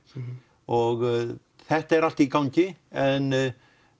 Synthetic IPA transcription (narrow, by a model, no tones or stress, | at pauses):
ɔɣ | θɛht̪aɛɾal̥t̪ikawɲcɪɛn